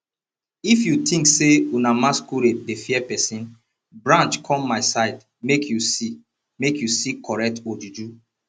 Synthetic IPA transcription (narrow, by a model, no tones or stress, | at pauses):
ifjutʰĩŋkseunamaskuɾet̚defiɛpɛsĩn | bɹãnt͡ʃkʰɔ̃mːaɪsaɪd | mekʰjusi | mekjusikʰɔɹɛk̚tod͡ʒud͡ʒu